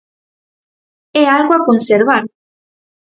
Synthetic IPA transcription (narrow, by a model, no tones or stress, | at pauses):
ɛalɣwakonseɾβaɾ